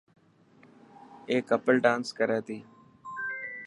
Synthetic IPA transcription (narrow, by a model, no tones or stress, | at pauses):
eːkəpəlɖãːnskəɾeːt̪iː